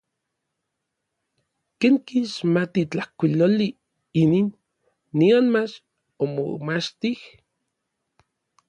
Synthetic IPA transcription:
keŋkiʃmat̪it͡ɬahkʷiloli | ininː | ionmat͡ʃ | omo̰mat͡ʃt̪ih

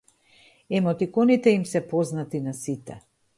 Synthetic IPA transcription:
ɛmɔt̪ikɔnit̪ɛimsɛpɔznat̪inasit̪ɛ̰

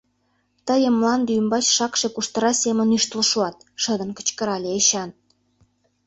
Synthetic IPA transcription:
t̪əjə̆mlɑnd̪eymbɑt͡ɕʃɑkʃekuʃt̪ə̆ɾɑsʲemə̆nyʃt̪ələʃuɑt̪̚ʃə̆d̪ə̆nkə̥̆t͡ɕkə̆ɾɑlʲeeɕɑn

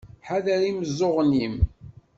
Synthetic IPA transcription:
ħaðæɾiməzːoʁnim

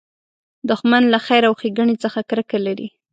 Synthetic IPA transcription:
d̪ʊxmanlaxajɾawxeɡaɳit͡səxakɾəkalaɾḭ

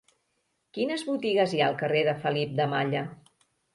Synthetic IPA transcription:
kinəzβut̪iɣəzjaːlˠkəreðəfəlip̚d̪əmaʎə

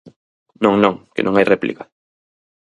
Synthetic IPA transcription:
nõŋnõŋkɪ̰nʔõŋajrɛplḭka

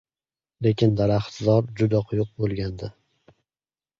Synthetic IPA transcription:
le̞kʲɪnd̪aɾaχt̪zɒɾd͡ʒʊd̪aqʰʊjʊq̚bolˠɡʲand̪ɪ

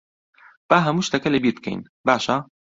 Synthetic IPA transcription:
b̥aːɦɐmuʃt̪ɐkɐlebit̪kḛn | baːʃa

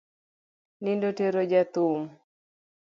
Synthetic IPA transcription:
nindoteɾod͡ʒat̪um

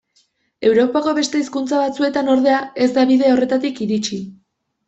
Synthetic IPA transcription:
e̞wɾo̞pako̞βe̞st̪e̞iskunt͡saβat͡sue̞t̪ano̞ɾð̞e̞ae̞zd̪aβiðe̞o̞re̞t̪at̪ikiɾit͡ʃi

